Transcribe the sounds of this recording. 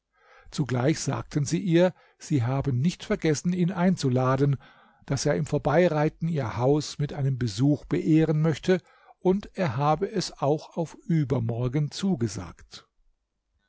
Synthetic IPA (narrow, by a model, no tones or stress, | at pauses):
t͡suɡlaɪçz̥a̰ːk̚tʰən̩ziːʔiːɐ | z̥iːɦaːbənnɪçtfɛɐɡɛsn̩iːnʔaɪnt͡sulaːdən | d̥aseːɐɪmfoːɐbaɪʁaɪtn̩iːɐhaʊsmɪtʔaɪnəmbəzuːxb̥əʔeːʁənmœçtʰə | ʔʊnteːɐɦaːbəɛsaʊxaʊfʔyːbɐmɔɐɡənt͡suːɡəza̰ːkt